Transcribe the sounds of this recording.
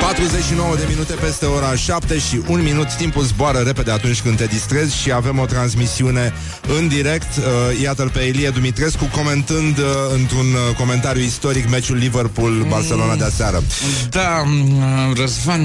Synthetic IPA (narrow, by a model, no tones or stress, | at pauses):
pat̪ɾuze̞t͡ʃʃino̞wəd̪e̞minut̪e̞pe̞st̪e̞o̞ɾaʃapt̪e̞ʃiʔunminut̪t̪ːimpulzboaɾəɾe̞pe̞d̪e̞at̪unt͡ʃʲkɨnt̪e̞d̪ist̪ɾe̞zʲʃiave̞mo̞t̪ɾansmisiune̞ | ɨnd̪iɾe̞kt̪jat̪əlpeːlied̪umit̪ɾe̞skuko̞me̞nt̪ɨnd̪ɨnt̪ɾunko̞me̞nt̪aɾjuist̪o̞ɾikmet͡ʃulːive̞rpulbarse̞lo̞nad̪easeaɾəd̪a | rəzvan